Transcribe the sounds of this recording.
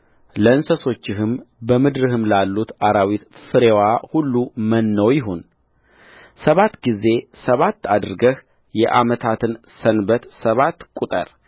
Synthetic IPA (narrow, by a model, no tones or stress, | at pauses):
ləɨnsəso̞t͡ʃːɪɦɨmbəmɨd̪ɾɨhɨmlalːut̪aɾawit̪fɨɾewahulːumənːəwjɪɦo̞n | səβat̪ːɡize̞səβat̪ːad̪ɾɨɡəh | jɛ̰ʔa̰mət̪ʰat̪ʰɨnsənbət̪səβat̪ːkʼut̪ʼə̰ɾ